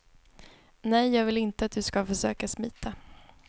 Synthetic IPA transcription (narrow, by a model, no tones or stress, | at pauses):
nɛjːɑːɡvɪlɪnt̪əat̪̚d̪ɵskafœʂø̰ːkasmiːt̪ʰa